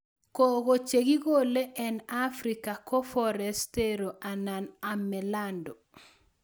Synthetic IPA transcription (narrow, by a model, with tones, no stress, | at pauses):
ko˨ɣo˨t͡ʃe˨ɡi˦ɡo˦le˦ʔɛ˨na˦fɾika˨kɔ˦fɔ˦ɾɛ˨ste˦ɾo˨ʔa˨na˨na˨mɛ˨lando˨